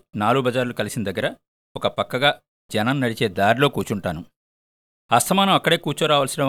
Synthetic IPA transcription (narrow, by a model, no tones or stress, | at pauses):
naːluɡubʱɐd͡ʒaːɾlukɐlisinɐd̪ɐɡːɐɾɐ | ɔkɐpɐkːɐɡaː | d͡ʒɛnɐmnɐɽit͡ʃe̞ːd̪aːɾilo̞ːkuːt͡ʃuɳʈaːnu | ɐst̪ʰɐmaːnɐmɐkːɐɽe̞ːkuːɾt͡ʃuɾaːʋɐːlsiɽɐ